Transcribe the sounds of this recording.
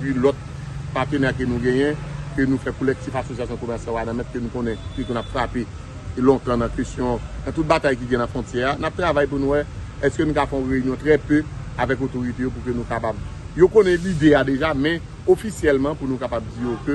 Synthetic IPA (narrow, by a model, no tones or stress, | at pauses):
pilɔt̪̚ | paʁt̪ənɛk̬enũɡɛ̃jɛ̃kønũfɛkolɛk̚tifasosijasjɔ̃komɛʁsjalanãmɛt̪̚kønũkõnɛ̃kekunapfʁape | lɔ̃t̪ãnãkestjɔ̃nãt̪ut̪̚bat̪ajk̬iɡɛ̃nãfʁɔ̃tjɛanap̚t̪ʁavajp̬unũwɛ | ɛskønũkafɛ̃ɔ̃ʁeynjɔ̃t̪ʁɛpøavɛk̬ot̪oʁit̪ejop̬ukønũkapab | jokonɛ̃lid̪ead̪eʒamɛ̃ | ofisjɛlmɑ̃punũkapab̚d͡zijokø